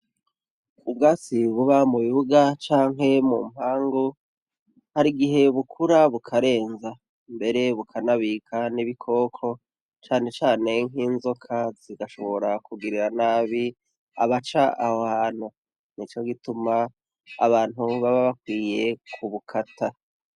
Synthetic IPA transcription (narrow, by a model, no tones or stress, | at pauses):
ub̚ɡaːsiβuβamuβiβuɡat͡ʃaːŋɦe̞mṵm̥haːŋɡo | haɾiɡiɦe̞βukʰuɾaβukʰaɾe̞ːnza | mbe̞ɾe̞βukʰanaβikʰaniβikʰo̞ːkʰo̞ | t͡ʃaːne̞t͡ʃaːne̞ŋ̥ɦiːnzo̞kʰaziɡaʃo̞βo̞ɾakuɡiɾiɾanaːβi | a̰βat͡ʃaʔahohan̥u | nit͡ʃo̞ɡituma | a̰βaːn̥uβaβaβakwiːje̞kʰuβukʰatʰa